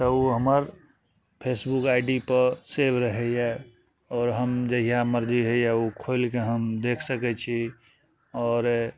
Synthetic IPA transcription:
t̪ɔuɦəməɾ | pʰesbukaɪɖipəɾsebɾəɦɛjɛ | ɔːɾɦəmd͡ʒəɦijaməɾd͡ʒiɦɛjaukʰoɪlkeɦəmd̪ekʰsəkɛt͡ʃʰi | ɔːɾ

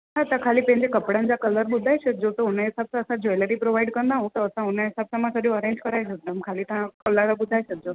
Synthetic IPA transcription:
ɦãt̪ãkʰaliːpɛ̃ɦɲd͡ʑekəpɽand͡ʑakələɾbud̪ʱajɕʰək̪̚d͡ʑot̪ounaesabsãəsãd͡ʑojləɾipɾoʋaiɖkənd̪aɦũt̪ɔəsãɦunaesab̚samãsəɾũəɾeɲd͡ʑkəɾajʃək̚d̪amkʰalit̪ãkələɾabud̪ʱajʃək̚d͡ʑo

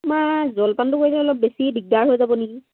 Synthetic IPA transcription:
mazɔlpantʊkojitɛɔlɔp̚besibiɡaɹɦojzabɔneki

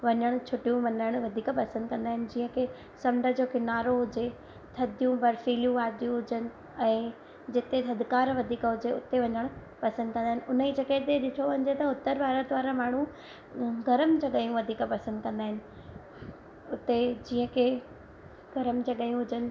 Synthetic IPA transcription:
ʋɐɲəɽ̃ʊ̆t͡ɕʰʊʈijũʋɐ̃nəɽ̃ʋɐd̪ʱiːkpɐsə̃nd̪̚kɐ̃nd̪aːɦɪnɪ̆d͡ʑiːə̃kʰe | sɐmɖʱəd͡ʑoːkɪnaːɾoɦʊd͡ʑe | t̪ʰɐd̪ʱijũbɐɾfiːlijũʋaːd̪jũɦʊd͡ʑənɪ̆ | ɛ̃ː | d͡ʑɪt̪et̪ʰɐd̪ʱkaːɾʋɐd̪ʱiːkɦʊd͡ʑeʊt̪eʋɐ̃ɲəɽ̃ʊ | pɐsə̃nd̪̚kɐ̃nd̪aɦɪnɪ̆ʊnəid͡ʑɐkəd̪eɗɪʈʰoʋɐ̃ɲd͡ʑet̪ɐʊt̪ːəɾbaːɾət̪ʋaːɾamaːɽ̤̃ũ | ɡʱɐɾəmd͡ʑɐɠaːjũʋɐd̪ʱiːkpɐsə̃nd̪̚kɐ̃nd̪aːɦɪnɪ̆ | ʊt̪ed͡ʑĩːə̃kʰe | ɡʱɐɾəmd͡ʑɐɠaːjũɦʊd͡ʑənɪ̆

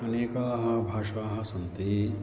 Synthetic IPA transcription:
ɐneːkaːɦɐ̆bʱaːʃaːɦɐ̆sɐnt̪i

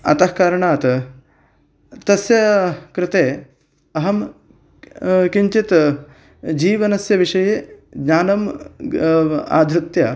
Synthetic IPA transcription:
ɐ̰t̪ɐhkaːɾɐɳaːt̪ | t̪ɐsjɐkɾɪt̪eː | ɐɦɐm | kiɲt͡ʃit̪ | d͡ʒiːʋɐnɐsjɐʋiʂɐjeːɡɲaːnɐm | a̰ːd̪ʱɾɪt̪jɐ

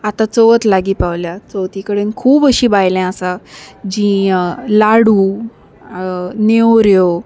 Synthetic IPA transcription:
at̪ãt͡soʋət̪laɡiːpaʋljat͡sowt̪ikəɽenkʰuːbəɕĩːbajlɛ̃asad͡ʑĩlaɽuː | newɾjo

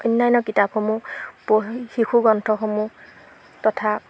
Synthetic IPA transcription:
ɔnːajnɔkitapxomupoxixʰuɡɔntʰɔxomu | tɔtʰa

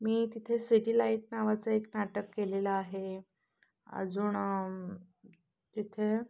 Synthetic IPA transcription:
miːt̪it̪ʰesiʈilaiʈnaʋat͡səeknaʈəkːeleləaɦe | ə̰d͡zuːɳ | t̪it̪ʰe

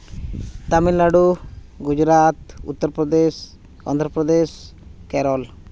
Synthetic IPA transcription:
t̪amilːaɽu | ɡud͡ʒɾat̪ṵt̪ːɔɾpɾɔd̪es | ɔ̰nd̪ʱɾɔpɾɔd̪es | kɛɾɔl

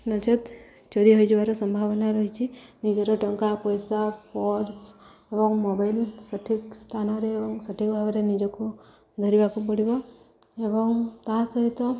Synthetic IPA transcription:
nət͡ʃət̪ | t͡ʃɔɾiɦoid͡ʒeʋaɾosəmbʱaʋnaɾəɦit͡ʃʰinid͡ʒeɾoʈəŋkapəjsapɔɾs | ebɔŋɡmobailsəʈʰikst̪ʰanɔɾeːbɔŋsəʈʰikbʱaʋɾenid͡ʒɔko | d̪ʱəɾiʋakupəɽibɔ | ebɔŋt̪ãsəɦit̪ɔ

